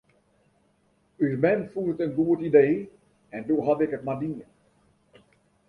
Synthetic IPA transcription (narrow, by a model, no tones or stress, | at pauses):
yzmɛnfuətənɡuətideː | ɛndoɦadɪkətmadiən